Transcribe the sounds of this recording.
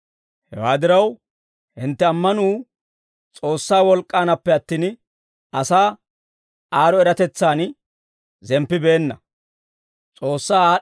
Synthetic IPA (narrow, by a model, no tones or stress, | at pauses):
hɛ̰waːd̪ɪɾɐw | hɪnt̪ːɛɐmːɐnuː | t͡sʼo̞ːsːaːwɔlkʼːaːnɐpːɛɐt̪ːiːn | ɐsaː | aːɾɔɛɾɐt̪ɛt͡sːaːn | zɛmpːɪbe̞ːnːɐ | t͡sʼo̞ːsːaː